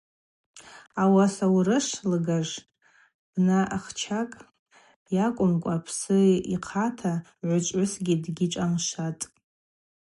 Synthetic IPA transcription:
awasawɾɨʂlɨɡaʐ | b̥naʔaχt͡ʃʰakʼ | jakʷʼʊmkʷʼapʰsɨiqʰatʰa | ʕʷʊt͡ʃʷʼʊsɡʲidɡʲiʈ͡ʂʼamʃatʼ

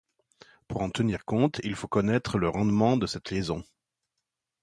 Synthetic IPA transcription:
puʁɑ̃t̪əniʁkɔ̃t̪ilfokɔnɛt̪χələʁɑ̃d̪mɑ̃d̪əsɛt̪lezɔ̃

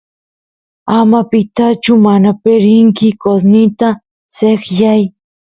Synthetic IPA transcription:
amapɪt̪at͡ʃʊmanapeɾɪŋkɪkosnɪt̪a | sekjaj

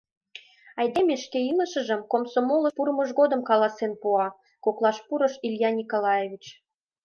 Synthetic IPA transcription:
ɑjd̪emʲeʃkeiləʃə̆ʒə̆mkomsomoləpuɾməʒɣod̪ə̆mkɑlɑsenpuɑ | koklˠɑʃpuɾə̆ʃilʲjɑnʲikolɑjevʲit͡ɕ

